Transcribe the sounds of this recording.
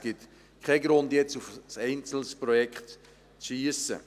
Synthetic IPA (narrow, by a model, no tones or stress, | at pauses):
ɡ̥ɪt̪ | kʰχɛɡɾʊndjɛt͡sufsɛɪnt͡sl̩spɾɔjɛkχt | t͡sʃiəsə̰